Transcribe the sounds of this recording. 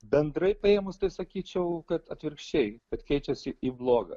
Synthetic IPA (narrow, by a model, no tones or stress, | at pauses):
bʲɛnd̪ɾɐɪpɐeːmʊst̪ɐɪsɐkʲiːt͡ʃʲɛʊkɐt̪ɐt̪ʲʋʲɪɾkʃʲt͡ʃʲɛɪkɐt̪kʲɛɪt͡ʃʲɛsʲɪʔiːblˠoːɡɐ̰